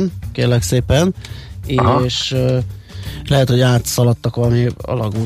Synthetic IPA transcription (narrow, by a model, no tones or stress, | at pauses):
nkeːrlɛkseːpɛneʃ | lɛɦɛt̪ho̞ɟaːt̪sɒlɒt̪ːɒkʋɒlɒmiɒ̰lɒɡuː